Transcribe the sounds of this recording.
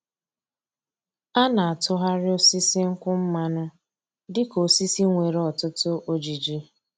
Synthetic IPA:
a˦na˨a˨tʊ˦ɦa˦ɾɪ˦o˦si˦si˦ŋ̩˦kʷʊ˦m̩˦ma˦nʊ˦ | dɪ˦ko˨si˦si˦ŋʷe˨ɾɔ˨tʊ˦tʊ˦ʔo˦d͡ʒi˨d͡ʒi˦

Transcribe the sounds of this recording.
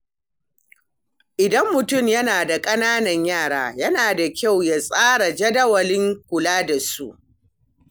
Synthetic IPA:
ʔɪ˨dɐ˦mːʊ˨tʊ˦˨mjɐ˦naː˨da˨kʼɐ˦naː˦nɐ˨ɲjaː˦˨ɽaː˦jɐ˦naː˨da˨kʲa˦˨wja˨sʼaː˦ɽa˨d͡ʒɐ˦dɐ˦wɐ˨lɪ˦ŋkʷʊ˨laː˦da˨sṵ˦ʔ

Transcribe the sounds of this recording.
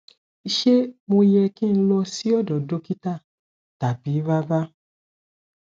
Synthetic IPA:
i˧ʃe˦mõ˧i˧jɛ˧kĩ˦˧n̩˦lɔ˧si˦ɔ˦˨dɔ˨do˦ki˦ta˦˨ | ta˨bi˨˦va˦ba˦

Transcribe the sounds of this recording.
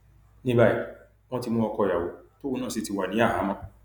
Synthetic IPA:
nĩ˦ba˧i˨ | w̃ɔ̃˦ti˧mũ˧ɔ˧kɔ˧ja˨wo˨˦to˦o˧˦nãː˦˨si˨˧ti˧wa˨nĩ˨˦a˦˨ɦã˨˦mã˦

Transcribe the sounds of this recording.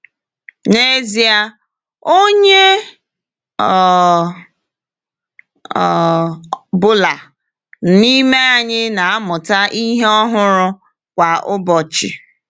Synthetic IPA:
ne˦zi˨a˦ | o˦ɲe˦ | ɔ˨ | bʊ˦la˨ | ni˦me˦a˨ɲɪ˦na˨a˦mʊ˨ta˦ʔi˦ɦe˦ɔ˦ɦʊ˦ɾʊ˦ | kʷa˨ʔʊ˦bɔ˨t͡ʃɪ̰˨

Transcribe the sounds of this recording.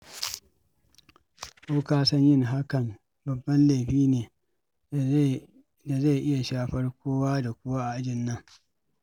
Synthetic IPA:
koː˦kaː˦sɐ˦ɲjɪ˦˨ŋɦa˦kɐ˨m | bɐ˨bːɐ˦nle˨ɸiː˦neː˨ | da˨za˦˨ʔɪ˦ja˨ʃaː˦ɸɐ˦rkʷoː˦waː˦da˨kʷʊ˦waː˦ʔa˨ʔa˦d͡ʒɪ˨nːɐ˦ŋ

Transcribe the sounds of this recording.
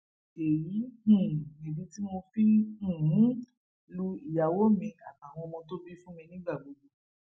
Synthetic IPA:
e˨jĩ˨˦˨ | i˨bi˧ti˦mo˧fĩ˦˨˦ | lu˧i˨ja˨wo˦mĩ˧a˨ta˨w̃ɔ̃˧mɔ̃˧to˦bi˦fũ˦mĩ˧nĩ˦ɡ͡ba˦˨bo˨˧˦ɡu˧

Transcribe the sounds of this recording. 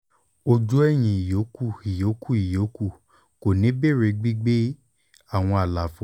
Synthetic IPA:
o˧d͡ʒu˦ɛ˦˨j̃ĩ˨i˨jo˨˦ku˦˨i˨jo˨˦ku˦˨i˨jo˨˦ku˦˨ | ko˨nĩ˨˦be˦˨ɾe˧ɡ͡bi˦ɡ͡be˦ | a˦˨w̃ɔ̃˧a˨la˨fo˨˦

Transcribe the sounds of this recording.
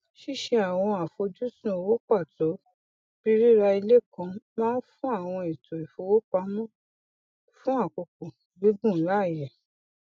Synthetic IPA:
ʃi˦ʃe˧a˨w̃ɔ̃˧a˨fo˧d͡ʒu˦sũ˦o˧wo˦k͡pa˦˨to˨˦ | b̥i˦ɾi˦ɾa˧i˧le˦˨kɔ̃˧mãː˦fũ˦a˦˨w̃ɔ̃˧i˨to˨i˨fo˨˦wo˦k͡pa˧˦mɔ̃˦ | fũ˦a˦˨ko˨ko˨bi˨˦ɡũ˦˨˦la˦˨jɛ˨

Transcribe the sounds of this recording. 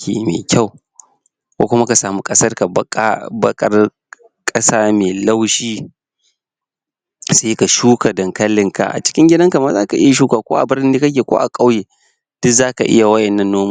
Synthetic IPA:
kḛː˨mḛː˨kʲa˦˨w | kʷo̰ː˦kʷʊ˦ma˦ka˨saː˨mu˦kʼɐ˦sɐ˦rka˨˦bɐ˦kʼɐ˦r | kʼɐ˦saː˦meː˨la˦wʃiː˦ | seː˦ka˨ʃuː˦ka˨dɐ˨ŋkɐ˦lːɪ˨ŋka̰˨ʔa̰˨t͡ʃɪ̥˦kʲɪ˦ŋɡʲɪ˦dɐ˦ŋka˨ma˦zaː˦ka˨ʔɪ˦ja˨ʃ̬uː˦kaː˨kʷoː˦ʔa̰˨bɪ˦rnɪ˦ni˦kɐ˦k̬ʲeː˨kʷo̰ː˦ʔa˨kʼa˦wjeː˨ | d̥ʊ˦kzaː˦ka˨ʔɪ̰˦ja˨wɐ˦ʔɛ˨nːɐ˦nːoː˦ma˦

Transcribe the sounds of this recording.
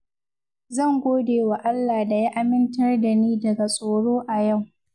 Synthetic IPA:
zɐ˦˨ŋɡʷoː˦deː˨wa˨ʔa˦lːaː˨da˨ji˦ʔa˦mɪ˦ntɐ˦rda˨niː˦dɐ˨ɡa˨sʼoː˨ɽoː˦ʔa˨ja˦˨w

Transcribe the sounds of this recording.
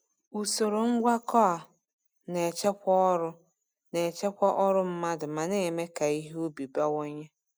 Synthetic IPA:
u˨so˨ɾo˨ŋ̩˦ɡʷa˦kɔ˦a˨ | ne˨t͡ʃe˦kʷɔ˦ɾʊ˦ | ne˨t͡ʃe˦kʷɔ˦ʔɔ˦ɾʊ˦m̩˦ma˦dʊ˨ma˨ne˨me˦ka˨i˦ɦe˦o˦bi˨ba˦wo˦ɲe˦

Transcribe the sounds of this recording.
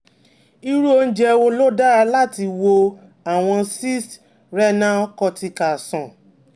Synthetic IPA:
i˦ɾu˦o˧n̩˦d͡ʒɛ˦˧wo˧lo˦da˦ɾa˧la˦˨ti˧wo˧ | a˨w̃ɔ̃˧si˦st | ɾɛ˦nã˦ɔ˦kɔ˧ti˧ka˨sɔ̃˨

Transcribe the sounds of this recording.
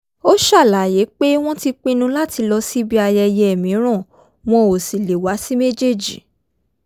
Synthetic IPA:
o˦ʃa˦˨la˨je˨˦k͡pe˦w̃ɔ̃˦ti˧k͡pĩ˦nũ˧˦la˦ti˧lɔ˧si˦bi˦a˧jɛ˧jɛ˦ɛ˦˨mĩ˨˦ɾ̃ã˦˨ | w̃ɔ̃˧o˨si˨le˨wa˨˦si˦me˦d͡ʒe˦˨d͡ʒḭ˨

